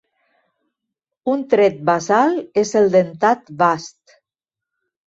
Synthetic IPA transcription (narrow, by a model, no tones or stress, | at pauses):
unt̪ɾet̪̚bazalezelˠd̪ent̪at̪bast̪